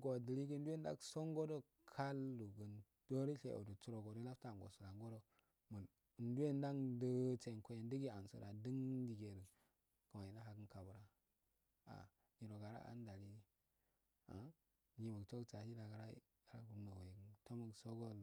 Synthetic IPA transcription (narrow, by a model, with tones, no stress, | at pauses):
ɡo˨də˨li˦ɡə˦n˦du˦je˦n˦da̰˦kso˦ŋɡo˦do˦ | kʰa˦lːu˨ɡə˨n | d̥o˦ɾi˦ɬḛ˨ʔo̰˨du˨t͡su˦ɾo˨ɡo˨do˦la˦fta˦˨ɡo̰˨su˨la˨ŋɡo˦ɾo˦ | mə˨n˨ | ndu˦je˦nda˦ŋdə˦t͡ʃe˨ko˦je˨ndə˦ɡi˦a˨n˨sə̰˨ɾa˨də˦ŋdi˨ɡe˨ɾə˨ | kə˨ma˨ji˨na˦ɦa˨ɡə˦nka˨bə˨ɾa˨ | a̰˨ | ɡi˨ɾo˨ɡa˨ɾa̰˦a̰˦n˦da˨li˦ | a̰˨ | ɲi˨mə˨ɡt͡ʃo˦ɡt͡ʃa˨si˦da˨ɡa˨ɾa˦ | a˨ɾa˦ku˨˦no˨we˨ɡə˨nto˦mə˨ɡso˦ɡo˦l